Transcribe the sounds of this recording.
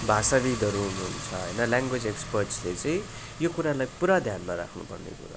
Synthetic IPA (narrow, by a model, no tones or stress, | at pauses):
bʱasabid̪ʱʌɾuɦunuunt͡sʰʌɦʌ̰jnʌlaŋɡwed͡zekspʌrʈslet͡sʌ̃ĩ | jokuɾalajpuɾad̪ʱjanmaɾa̰kʰnṵpʌ̰rnḛkṵɾa̰